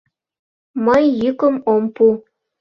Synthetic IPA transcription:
məjːykə̆mompu

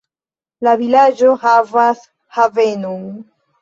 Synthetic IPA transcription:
lavilad͡ʒo̞havas | havenon

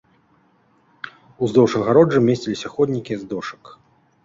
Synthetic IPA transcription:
uzd̪ɔwʂɐɣaɾɔd͡ʐɨmʲesʲt͡sʲilʲisʲɐxɔd̪ʲnʲikʲiɛzd̪ɔʂɐ̥k

